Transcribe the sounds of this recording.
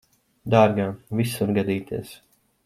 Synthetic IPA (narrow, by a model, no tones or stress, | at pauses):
d̪aːɾɡaːvisuɾɡad̪iːt̪iɛs